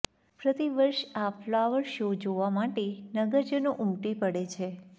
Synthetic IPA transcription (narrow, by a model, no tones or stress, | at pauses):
pɾət̪iʋəɾʃaflaʋəɾʃod͡ʒoʋamaʈenəɡəɾd͡ʒənoʔumʈipəɽet͡ʃʰe